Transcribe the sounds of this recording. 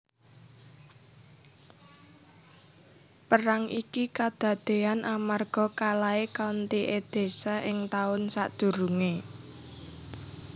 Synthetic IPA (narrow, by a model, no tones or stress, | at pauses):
pəɾaŋʔikikad̪̥a̤d̪̥e̤anʔamarɡ̥ɔ̤kalaekant̪iʔed̪̥e̤saʔɪŋt̪aʊnsa̰ʔd̪̥ṳɾuŋe